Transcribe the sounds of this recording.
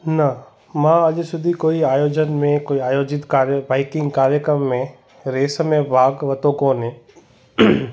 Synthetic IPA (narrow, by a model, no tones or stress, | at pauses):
nɐ | mãːɐʄsʊd̪ʱikoːiaːjoːd͡ʒənmẽkoːiaːjoːd͡ʒɪt̪kaːɾəbaːɪkɪ̃ŋɡkaːɾjəkɾəmːẽ | ɾeːsmẽbʱaːɡʋɐt̪õkoːnɦẽː